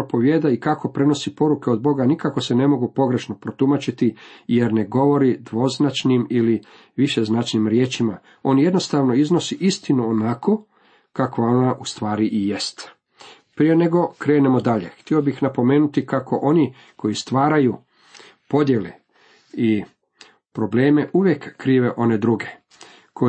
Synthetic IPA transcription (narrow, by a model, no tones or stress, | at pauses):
ɾopo̞ʋjeːd̪aikako̞pɾe̞no̞sipo̞ɾuke̞o̞d̪̚bo̞ɡanikako̞sene̞mo̞ɡupo̞ɡɾe̞ʃno̞pɾo̞t̪umat͡ʃit̪ije̞ɾne̞ɡo̞ʋo̞ɾid̪ʋo̞znat͡ʃnimili | ʋiʃe̞znat͡ʃnimɾjeːt͡ʃima | o̞nje̞d̪no̞st̪aʋno̞izno̞siʔist̪inuonako̞ | kakʋao̞naʔust̪ʋaːɾiʔije̞st̪ | pɾije̞ne̞ɡo̞kɾe̞ːne̞mo̞d̪aʎe̞̰xt̪io̞bixnapo̞me̞ːnut̪ikako̞ʔo̞ni | ko̞jist̪ʋaːɾaju | po̞d̪je̞lḛ | i | pɾo̞ble̞ːme̞ʔuʋje̞kːɾiːʋe̞ʔo̞ne̞d̪ɾuɡe̞ | kʰo